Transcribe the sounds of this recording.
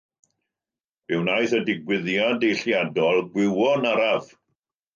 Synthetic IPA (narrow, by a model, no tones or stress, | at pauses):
b̥ɪwnajθədɪɡwɪðjadejɬjadɔlˠɡwɪwɔnaɾav